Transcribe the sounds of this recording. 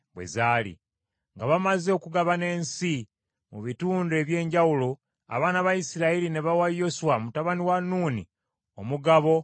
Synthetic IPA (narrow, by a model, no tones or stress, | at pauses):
βwe̞̰zaːlḭ | ŋɡaβamazekuɡaβane̞ːnsi | muβituːnde̞βje̞ːɲɟawulo̞ | a̰βaːnaβajisiɾailineβawajo̞suwamutaβaniwanuːnḭ | o̞muɡaβo̞